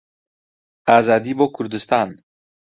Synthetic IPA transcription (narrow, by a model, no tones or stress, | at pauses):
azɑd̪ibɔkʰʊɾd̪ɪst̪ɑn